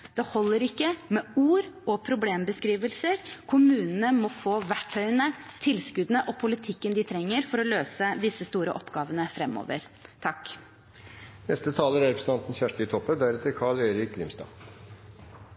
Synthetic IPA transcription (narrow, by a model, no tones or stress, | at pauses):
d̪̥ɛhɔlːəɾɪkːəmɛuːɾɔpʰɾʊbleːmbəskɾiːʋəlsəɾkʰʊmʉːnənəmɔfoːʋæʈʰːœʏənət̪ʰɪlskʉd̪ən̩əʔɔpʰʊlɪt̪ʰɪkːənd̪ɪt̪ʰɾɛŋːəɾfɔɾɔløːsəd̪ɪsːəst̪uːɾə̰ʔɔpɡɑːʋənəfɾɛmːo̰ːʋə̰ɾ | t̪ʰɑkː | nɛst̪ət̪ʰɑːləɾæɾɛpɾəsən̩t̪ɑnt̪n̩çæʂʈət̪ʰɔpːəd̪æɾɛt̪əɾkʰɑɭeɪɾɪklɪmst̪ɑ̰ː